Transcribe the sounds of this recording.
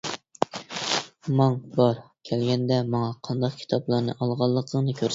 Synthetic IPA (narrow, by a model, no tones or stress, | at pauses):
mɑŋbɑɾkʲʰɛlɡʲɛnd̪ɛmɑŋɑqʰɑnd̪ɑq̚kʲʰi̥t̪ʰɑplˠɑɾnɨ̰ʔɑlˠʁɑlˠːəqzˠəŋnɨkʲʰøɾ